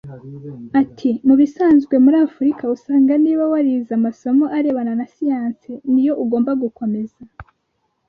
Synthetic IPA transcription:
atʰimuβisaːnzɡwe̞muɾaːfuɾikausaːŋɡaniːβawaɾizamaso̞mo̞ʔaɾe̞βananasijaːnsenijo̞ʔuɡoːmbaɡuko̞me̞z̥a

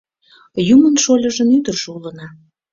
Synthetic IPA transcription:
jumənʃolʲəʒənyd̪ərʒ̥eulənɑ

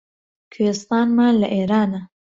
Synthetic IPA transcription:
kʰest̪ɑːnmaːnlɐʔeːɾaːnɐ

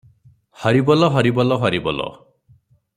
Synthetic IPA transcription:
hɔɾibɔlɔɦɔɾibɔlɔɦɔɾibɔ̰lɔ̰

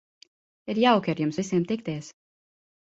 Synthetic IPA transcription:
iɾjawkʲiaɾjumsvʲisiɛmt̪ik̚t̪ɛːs

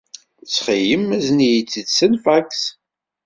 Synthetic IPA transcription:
t͡sːχijəmːæznijit͡sːidsənfæks

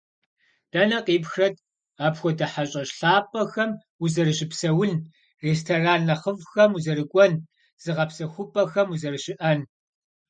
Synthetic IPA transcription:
d̥ɐnɐqʼiːpxrɐd̚ | aːpxʷɔdɐħaɕʼɐɕɬaːpʼɐxɐm | uzɐrɨɕɪpsɐwʊn | reːstʰɐraːnːɐχəvxɐmuzɐɾɨkʷʼɔn | z̥ɨʁɐpsɐxʷʊpʼɐxɐmuzɐrɨɕɪʔɐn

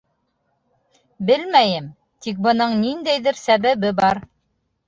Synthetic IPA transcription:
bɘlmæjɘm | t̪ik̚bɤ̆nɤɴnind̪æjðɘɾsæβæβɘbɑɾ

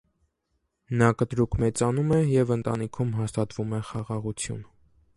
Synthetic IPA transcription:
nɑkət̪ɾukʰmɛt͡sɑnumɛjɛvənt̪ɑ̰nikʰumɦɑst̪ɑt̪vumɛχɑʁɑʁut͡sʰjṵn

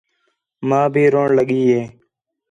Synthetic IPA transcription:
mãːbʱiːɾoːɳləɠiːɦeː

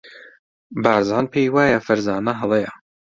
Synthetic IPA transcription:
baːɾzaːnpʰeːjwaːjɐfɐɾzaːnɐɦɐlˠejɐ

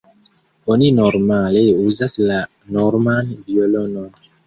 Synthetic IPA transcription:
oninɔɾmaleuzasla | nɔɾmanvijolɔnɔn

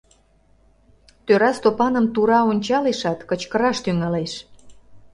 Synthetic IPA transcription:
t̪øɾɑst̪opɑnəmt̪uɾɑonʲt͡ɕɑleʃɑt̪kət͡ɕkəɾɑʃt̪yŋɑleʃ

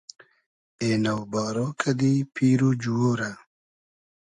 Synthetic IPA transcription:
eːnawbaːɾokʰɐd̪ipʰiːɾud͡ʑuwoːɾa

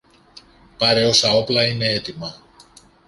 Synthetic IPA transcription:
pɐɾe̞o̞sɐo̞plɐine̞e̞t̪imɐ

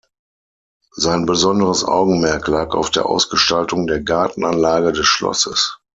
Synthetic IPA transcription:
zaɪnbəzɔndəʁəsʔa̰ʊɡŋ̩mɛɐklaːka̰ʊfd̥eːɐʔa̰ʊsɡ̥əʃtaltʊŋdeːɐɡaɐtn̩anlaːɡədɛsʃlɔ̰səs

